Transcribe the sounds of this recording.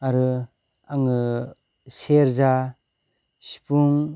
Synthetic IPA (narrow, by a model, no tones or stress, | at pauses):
aɾɯ | aŋɯ | seɾza | si̥puŋ